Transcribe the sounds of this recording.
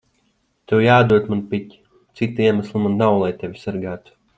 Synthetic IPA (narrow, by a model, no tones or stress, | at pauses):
t̪ewjaːd̪uɔt̪manpitʲi̥ | t̪sit̪iɛmaslˠmanːawlˠajt̪ʲevʲisæɾɡaːt̪u̥